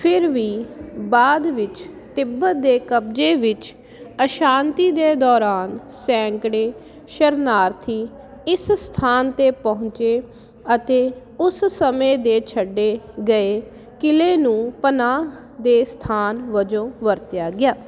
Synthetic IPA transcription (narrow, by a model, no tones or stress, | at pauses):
pʰɪɾʋiːbaːd̪ʋɪt͡ʃt̪ɪbːət̪̚d̪eːkəb̚d͡ʒeːʋɪt͡ʃ | əʃaːnt̪iːd̪eːd̪ɔːɾaːn | sɛ̃ːŋkɽeː | ʃəɾnaːɾt̪ʰiː | ɪsst̪ʰaːnt̪eːpəɦʊ̃ɲt͡ʃeː | ət̪eː | ʊssəmẽːd̪eːt͡ʃʰəɖːeːɡəeː | kɪleːnũːpənaː | d̪eːst̪ʰaːnʋəd͡ʒõːʋəɾt̪jaːɡɪjaː